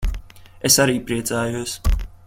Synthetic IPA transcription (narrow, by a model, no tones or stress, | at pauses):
ɛsaɾiːpɾiɛzaːjus